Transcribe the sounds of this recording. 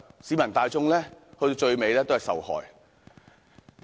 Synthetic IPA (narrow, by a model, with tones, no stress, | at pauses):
siː˨˥mɐ˨˩nt̪aː˨˧jt͡sʊ˥ŋlɛː˥hɵ˧t̪o˧wt͡ʃɵ˧ɥme˨˧jlɛː˥t̪whɐ˨jsɐ̰˨whɔ̰ː˨˩j